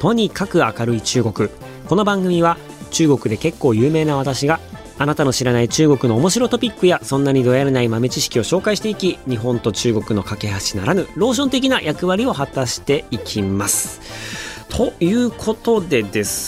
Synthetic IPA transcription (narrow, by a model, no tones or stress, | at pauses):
t̪ʰo̞ɲ̟ikakɯ̟akaɾɯ̟it͡ɕɨːɡo̞kɯ̟ | ko̞no̞bãŋɡɯ̟mʲiβa | t͡ɕɨːɡo̞kɯ̟d̪e̞ke̞kːo̞ːjɯ̟ːme̞ːnaβ̞at̪aɕiɡaː | nat̪ano̞ɕiɾanait͡ɕɨːɡo̞kɯ̟no̞ːmo̞ɕiɾo̞t̪o̞pʲikːɯjasõ̞nːaɲ̟id̪o̞jaɾenaimame̞t͡ɕiɕi̥kʲio̞ɕo̞ːkaiɕi̥t̪e̞ikʲiɲ̟iɦõ̞nt̪o̞t͡ɕɨːɡo̞kɯ̟no̞kake̞ɦaɕinaɾanɯ̟ɾo̞ːɕ̬õ̞nt̪e̞k̬ʲinajʔakɯ̟βaɾʲio̞hat̪aɕi̥t̪e̞ikʲʰimasɨ̥ | t̪ʰo̞jɯ̟ːkʰo̞t̪o̞d̪e̞d̪e̞sɨ̥